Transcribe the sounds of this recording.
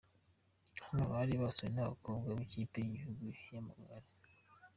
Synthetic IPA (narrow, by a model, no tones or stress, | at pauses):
hamuβaɾiβasoinaβa̰koːbɡaβiciteiɟihuɡujamaɡaɾe